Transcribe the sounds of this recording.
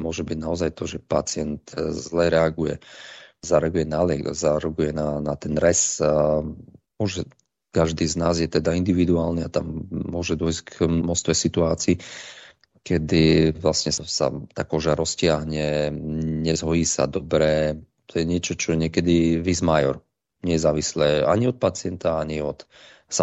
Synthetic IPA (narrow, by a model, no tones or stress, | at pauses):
mʊɔʒɛbiɟnaɔzajt̪ɔʒɛpat͡sɪɛnt̪zlɛɾɛaɡujɛzaɾɛaɡujɛnalɛ̰ɡzaɾɔɡujɛnanat̪ɛnɾɛs | mɔʒɛ | kaʒd̪iːznaːzjɛt̪ɛd̪aind̪iʋid̪uaːlniat̪amːʊɔʒɛd̪ʊɔjsɡmɔst̪ʋɛjsit̪uaːt͡siː | kɛd̪iʋlasɲɛsa̰t̪akɔʒaɾɔscɪaɦɲɛ | ɲɛzɦɔjiːsa̰d̪ɔbɾɛ | t̪ʰɔjɛɲɪɛt͡ʃɔt͡ʃɔɛɲɪɛkɛd̪iʋizmajɔɾ | ɲɛjɛzaːʋislɛːa̰ɲiɔt̪̚pat͡sɪɛnt̪aaɲiɔt̪ | sa